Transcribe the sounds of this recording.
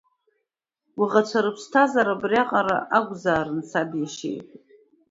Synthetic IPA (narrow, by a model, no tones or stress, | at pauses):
wiʁat͡ʃʷʰaɾɨpʰstʰazaɾabrʲaqʼaɾa̰ʔaɡʷzaːɾɨnt͡sʰabjaʃḛjtʼ